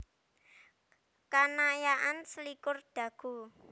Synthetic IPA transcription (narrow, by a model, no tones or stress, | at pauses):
kanajaʔansəlikʊrd̪̥ä̤ɡ̥ṳ